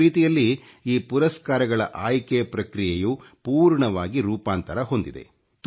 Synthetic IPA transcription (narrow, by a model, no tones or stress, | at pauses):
iːt̪ijɐlːi | iːpuɾɐskaːɾɐɡɐɭɐ̰ʔaːjkepɾɐkɾijejupuːɾɳɐʋaːɡiɾuːpaːnt̪ɐɾɐɦo̞nd̪id̪e̞̰ | t̪